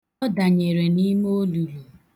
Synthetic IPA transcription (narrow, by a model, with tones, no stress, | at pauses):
ɔ˦da˨ɲe˨ɾe˨ni˦m˦o˦lu˨lu˨